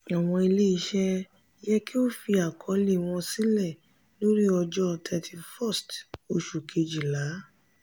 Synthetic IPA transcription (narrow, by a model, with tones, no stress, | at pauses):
a˨w̃ɔ̃˧i˧le˦i˧ʃɛ˦ | jɛ˦ki˦o˦˨fi˧a˨kʰɔ˨˦li˦˨w̃ɔ̃˧si˦lɛ˦˨ | lo˦ɾi˦ɔ˧d͡ʒɔ˦tʰɛ˧tʰi˧fɔ˦˨sto˧ʃu˨kʰe˧d͡ʒi˨la˨˦